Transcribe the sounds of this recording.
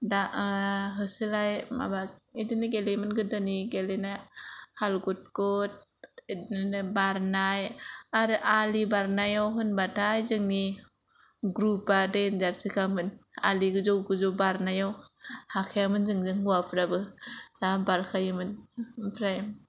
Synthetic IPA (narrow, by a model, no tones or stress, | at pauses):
daʔɦɯsɯlajma̰baidiniɡelemɯnɡɯdɯniɡelenahalɡut̚kɔt̚ | nbaɾnajaɾɯʔalibaɾnajawɦɯnbatʰajzɯŋni | ɡɾupadenzaɾsikʰamɯna̰liɡɯzɔwɡɯzɔwbaɾnajawhakʰejamɯnzɯŋzɯŋhuapʰɾabɯz̥abaɾkʰajɯmɯnpʰɾajm